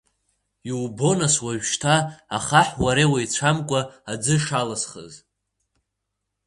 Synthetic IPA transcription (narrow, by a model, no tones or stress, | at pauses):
iwbo̞naswaɥᶣʃtʰaaχaħwaɾewajt͡ɕʷʰamkʷʼaːd͡zɨʂalasχə̰z